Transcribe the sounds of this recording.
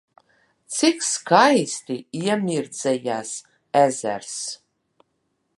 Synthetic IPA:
t̪sikskajst̪iiɛmʲiɾd̪zɛjaːs | æzæ̰ɾs

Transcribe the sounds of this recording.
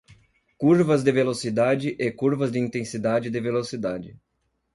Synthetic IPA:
kuɾvɐzd̪ɪvelosid̪ad͡ʒɪʔekuɾvɐzd̪ɪĩnt̪ẽsid̪ad͡ʒɪd̪ɪvelosid̪ad͡ʒɪ

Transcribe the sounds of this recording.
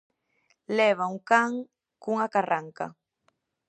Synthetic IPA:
lɛβauŋkaŋ | kuŋakaraŋka̰

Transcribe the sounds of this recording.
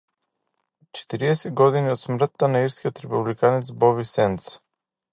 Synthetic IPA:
t͡ʃɛ̥t̪iɾiɛsɛd̪ɡɔd̪iniɔt̪smr̩t̪ːanaiɾskʲiɔt̪ɾɛpublikanɛt̪sbɔβisɛnt̪s

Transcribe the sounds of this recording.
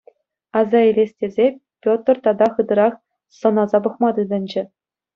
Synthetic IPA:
ɑzɑilʲesʲtʲezʲepʲot̪rt̪ɑd̪ɑχɯd̪ɤ̆ɾɑχ | sɤ̆nɑzɑbɤ̆χmɑd̪ɯd̪ɤ̆nʲd͡ʑɘ̆

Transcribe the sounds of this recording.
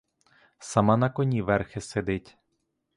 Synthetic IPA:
sɐmɑnɐkɔnʲiʋɛrxɪsed̪ɪtʲ

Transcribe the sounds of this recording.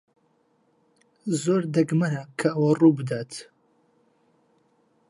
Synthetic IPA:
zoːɾd̪ɐɡmɐɾɐkʰɐɐwɐruːbɨd̪aːt̪

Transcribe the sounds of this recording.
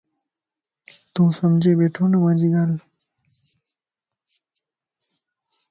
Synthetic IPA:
t̪ũːsɐmd͡ʑeːbeːʈʰoːnɐmãːd͡ʑiɡaːɾ

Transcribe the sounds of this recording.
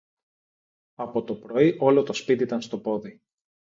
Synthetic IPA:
ɐpo̞t̪o̞pɾo̞iʔo̞lo̞t̪ospit̪iit̪ɐnst̪o̞po̞ði

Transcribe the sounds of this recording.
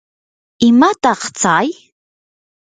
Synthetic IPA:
imat̪aqt͡saj

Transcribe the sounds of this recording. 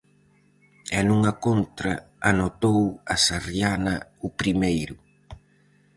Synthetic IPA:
ɛnuŋɐkont̪ɾɐ | anot̪owasaɾjanɐʊpɾimejɾʊ

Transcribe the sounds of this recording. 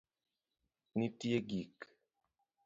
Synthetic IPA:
nitieɡik

